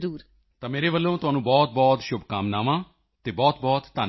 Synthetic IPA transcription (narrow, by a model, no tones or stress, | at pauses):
ɾuːɾ | t̪ãːmeːɾeːʋəlːõːt̪ʊɦaːnũːbɔːt̪̚bɔːt̪ʃʊbkaːmnaːʋãː | t̪eːbɔːt̪bɔːt̪ːaː